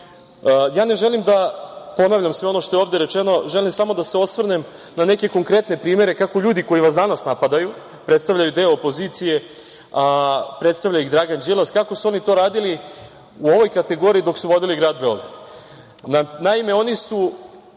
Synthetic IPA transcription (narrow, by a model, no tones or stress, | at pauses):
jaːne̞ʒe̞limd̪apo̞naʋʎʲamsʋe̞o̞noʃt̪o̞jeoːvd̪e̞ɾe̞t͡ʃe̞no̞ʒe̞limsamo̞d̪aseo̞sʋrnem | nane̞ke̞ko̞ŋkɾe̞t̪ne̞pɾiːme̞ɾe̞kako̞ʎuːd̪iko̞jiʋasd̪anasnapad̪aju | pɾe̞t̪st̪aʋʎʲajud̪e̞oːpo̞zit̪sije̞ | apɾet̪st̪aʋʎaiɣd̪ɾaɡand͡ʒilˠaskako̞suo̞nit̪o̞ːɾaːd̪ili | uo̞ʋo̞jkat̪e̞ɡo̞ːɾiːd̪o̞ksuʋo̞d̪iliɡɾaːd̪̚be̞o̞̰ɡɾad̪̥ | nanaime̞o̞nisu